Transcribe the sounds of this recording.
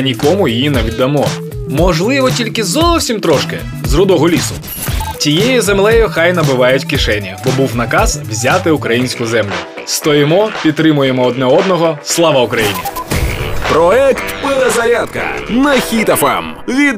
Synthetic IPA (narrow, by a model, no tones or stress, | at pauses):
nʲikɔmʊjijinɐʋʲid̪ːɐmɔ | mɔʒlˠɪʋɔtʲilʲkɪzɔwsʲimt̪ɾɔʃkɪ̰ | zrʊd̪ɔɦɔlʲisʊ | tʲijejizemlˠɛjʊxɑjnɐbɪʋɑjʊtʲkɪʃɛnʲɐbɔbuwnɐkɑz̥wzʲat̪ɪʊkɾɐjinʲsʲkʊzɛmlʲʊ̰ | st̪ɔjɪmɔpʲid̪̚t̪ːɾɪmʊjemɔːd̪nɛɔd̪nɔɦɔslˠɑʋɐʊkɾɐjinʲḭ | pɾɔɛkt̪pɪlˠɛzɐɾʲat̪̚kɐ̰nɐxʲit̪ɐfa̰m | ʋʲid̪